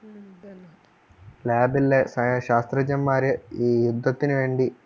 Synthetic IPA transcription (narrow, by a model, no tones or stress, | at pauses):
laːbilːesɐɐɕaːst̪rɐd͡ʑɐmːaːɾjɐiːjud̪ʱːɐt̪ːinɨʋe̞ːɳɖi